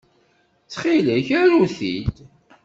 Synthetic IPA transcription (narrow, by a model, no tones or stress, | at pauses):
t͡sːχiləçæɾuθid̪